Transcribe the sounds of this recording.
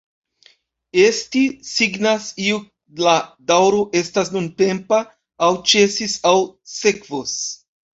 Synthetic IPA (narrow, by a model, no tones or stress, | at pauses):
e̞stisiɡnasiu | ladawɾo̞ʔe̞stasnunte̞mpaː | wt͡ʃe̞sisawse̞kvos